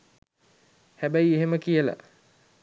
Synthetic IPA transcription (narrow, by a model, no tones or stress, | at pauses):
hæbæjeɦeməkijəla̰